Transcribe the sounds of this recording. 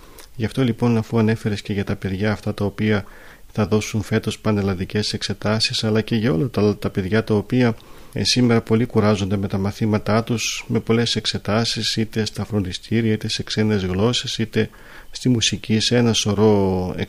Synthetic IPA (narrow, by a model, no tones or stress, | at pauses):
ʝɐft̪o̞lipo̞nɐfuɐne̞fe̞ɾesce̞ʝɐt̪ɐpe̞ðʝɐːft̪ɐt̪ɐo̞piɐ | θɐðo̞suɱfe̞t̪o̞spɐnelɐnðice̞se̞kse̞t̪ɐsisɐlɐce̞ʝɐo̞lɐt̪ɐt̪ɐpe̞ðʝɐt̪ɐo̞piɐ | sime̞ɾɐpo̞likuɾɐzo̞nd̪eme̞t̪ɐmɐθimɐt̪ɐt̪usme̞po̞le̞se̞kse̞t̪ɐsisit̪e̞st̪ɐfɾo̞nd̪ist̪iɾiɐit̪e̞se̞kse̞ne̞zɣlo̞sesit̪e̞ | st̪imusicise̞nɐso̞ɾo̞ḛ